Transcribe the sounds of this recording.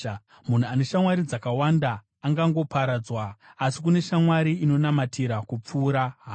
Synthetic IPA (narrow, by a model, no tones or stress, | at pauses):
mun̤uane̞ʃamwaɾid͡zakawandaː | ŋɡaŋɡo̞paɾad͡zwaːsik̬une̞ʃamwaɾiino̞namatʰiɾakup͡fuːɾaɦaː